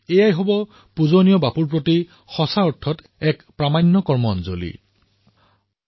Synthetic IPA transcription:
ejajɦɔbɔ | puzonijɔbapuɹp̬ɹoti | xɔsaɔɹtʰɔt | ɛkpɹamanːɔkɔɹmɔnzo̰lḭ

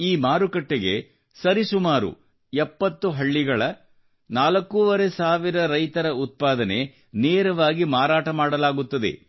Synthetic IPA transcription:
iːmaːɾukɐʈːeɡe̞̰ | sɐɾisumaːɾṵ | ɛpːɐt̪ːuɦɐɭːiɡɐɭɐ | naːlɐkːuʋɐɾe̞saːʋiɾɐɾɐjt̪ɐɾɐut̪̚paːd̪ɐne̞ | neːɾɐʋaːɡimaːɾaːʈɐmaːɽɐlaːɡut̪ːɐd̪e̞̰

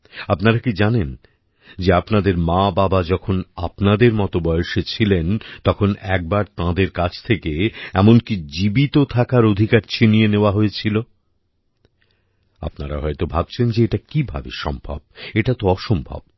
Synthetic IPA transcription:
apnaɾakid͡ʑanen | d͡ʑeapnad̪eɾmãbabad͡ʑɔkʰona̰pnad̪eɾmɔt̪obɔeʃet͡ɕʰilent̪ɔkʰonɛk̚baɾt̪ãd̪eɾkat͡ɕʰt̪ʰekeɛmonkid͡ʑibit̪ot̪ʰakaɾod̪ʱikaɾt͡ɕʰinieneoaɦoet͡ɕʰilo | a̰pnaɾa̰ɦɔet̪obʱab̚t͡ɕʰend͡ʑeeʈakibʱa̰bḛʃɔ̰mbʱa̰b̚eʈat̪oɔʃombʱa̰b̚

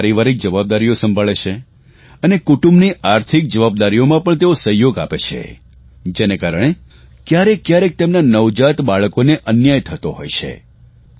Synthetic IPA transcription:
ɾiʋaɾik̚d͡ʒəʋab̚d̪aɾijosəmbʱaɭet͡ʃʰe | ənekuʈumbniʔaɾt̪ʰik̚d͡ʒəʋab̚d̪aɾijomãpəɳt̪eosəɦjoɡapet͡ʃʰḛ | d͡ʒenekaɾəɽ̃e | kjaɾekːjaɾek̚t̪emnanəʋd͡ʒat̪baɭəkoneʔənjajt̪ʰət̪oɦo̰jt͡ʃʰḛ

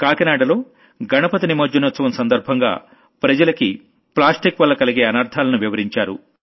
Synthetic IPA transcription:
kaːkɐnaːɖɐlo̞ː | ɡɐnɐpɐt̪inimoːd͡ʒɐnut̪sɐʋɐmsɐnd̪ɐɾbʱɐŋɡa̰ː | pɾɐd͡ʒɐlɐki | plaːsʈikʋɐlːɐkɐliɡe̞ːɐnaːɾd̪ʱaːlɐnuʋiʋɐɾiɲt͡ʃaːɾṵ

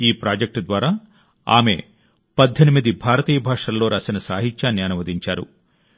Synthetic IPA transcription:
iːpɾaːd͡ʒɐk̚ʈd̪ʋaːɾaː | a̰ːme̞̰ː | pɐd̪ʱːenimid̪ibʱaːɾɐt̪iːjɐbʱaːʂɐlːo̞ːɾaːsinɐsaːɦit̪ʃaːnjaːnɐʋɐd̪iɲt͡ʃaːɾṵ

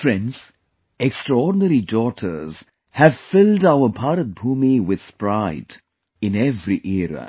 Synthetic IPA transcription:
fɹɛ̃ndz̥ | ɛkstɹəɔːɖnəɾidɔːtʰəz̥ | hæv̥fɪldaʊəpʰaːɾət̪̚bʱuːmiwɪð̥spɾaɪd | ɪ̃nɛvɾiʔɛɾə̰

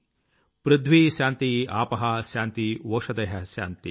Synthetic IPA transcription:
pɾud̪ʱʋiɕaːnt̪iaːpɐɦɐɕãːnt̪iʋɐːʂɐd̪ɐɦɐɕa̰ːnt̪i

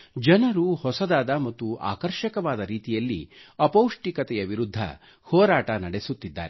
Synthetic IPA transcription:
d͡ʒɐnɐɾuhɔsɐd̪aːd̪ɐmɐt̪ːuʔa̰ːkɐɾʃɐkɐʋaːd̪ɐɾiːt̪ijɐlːḭɐpɐwʂʈikɐt̪ɛjɐʋiɾud̪ʱːɐ̰ | hɔːɾaːʈɐnɐɽesut̪ːid̪ːa̰ːɾe

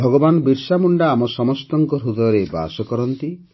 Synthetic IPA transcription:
bʱɔɡɔbanbiɾsamuɳɖaːmɔsɔmɔst̪ɔŋkɔɾud̪ɔjɔɾeba̰sɔkɔɾɔnt̪i

